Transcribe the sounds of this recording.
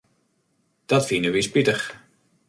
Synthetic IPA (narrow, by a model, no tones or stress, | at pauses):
d̥ɔtfinəʋispitəx